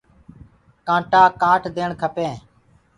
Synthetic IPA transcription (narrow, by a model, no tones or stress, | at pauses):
kãːʈaːkaːʈʰd̪eːɳkʰəpẽː